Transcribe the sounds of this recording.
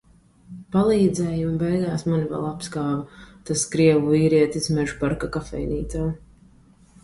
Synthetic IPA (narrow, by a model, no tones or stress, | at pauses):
palˠiːd̪zɛjumbɛjɡaːsmanivɛ̰lˠapskaːvat̪askɾiɛvuiːɾiɛt̪ismɛʒpaɾkakafɛ̰jniːt̪aː